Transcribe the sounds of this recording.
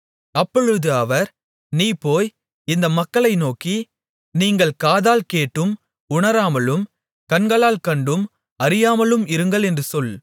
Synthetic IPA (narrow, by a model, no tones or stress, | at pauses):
ɐpːɔɻɯðɯɐʋɐɾ | niːpoːj | ɪnd̪ɐmɐkːɐɭɐɪnoːki | niːŋɡɐɭkaːðaːlkeːʈːɯm | ʊɳɐɾaːmɐlɯm | kɐnɡɐɭaːlkɐɳɖɯm | ɐɾɪjaːmɐɭɯmɪɾɯŋɡɐɭɛndrɯsɔl